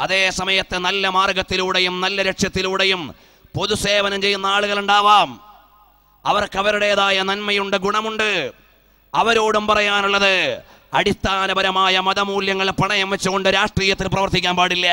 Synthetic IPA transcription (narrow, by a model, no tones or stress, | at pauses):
ɐðe̞ːsɐmɐjɐt̪ːɨnɐlːɐmaːrɡɐt̪ːiluɽejumnɐlːɐɾeʈʂjɐt̪ːiluːɽejum | po̞ðuse̞ːʋɐnɐmt͡ɕe̞jːunːɐaːɭuɣɐɭuɳɖaːʋaːm | ɐʋɐrkɐʋɐɾuɽejɐðaːjɐnɐnmɐjuɳɖeɡuɳɐmuɳɖɨ | ɐʋɐɾoːɽumpɐrɐjaːnuɭːɐðɨ | ɐɽist̪ʰːaːnɐbɐɾɐmaːjɐmɐðɐmuːljɐŋːɐɭepːɐɳɐjɐmʋet͡ɕːuɣo̞ɳɖɨɾaːʂʈriːjɐt̪ːilprɐʋɐrt̪ikʲːaːnpaːɽilːɐ